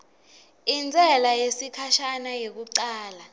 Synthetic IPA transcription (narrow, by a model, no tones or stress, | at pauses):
ind͡zʱɛlajesikʰaʃanajek̬uǀaːla